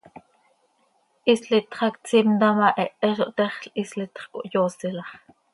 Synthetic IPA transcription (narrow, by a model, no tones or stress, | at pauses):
ʔisɬit̪χɑkt͡simd̪ɑmɑʔɛʔɛʃoʔt̪ɛχɬislit̪χko̰ʔjoːsilɑχ